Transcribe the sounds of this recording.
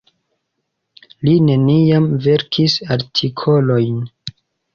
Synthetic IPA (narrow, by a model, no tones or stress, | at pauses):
line̞niamve̞ɾkʰisaɾtʰikʰo̞lojn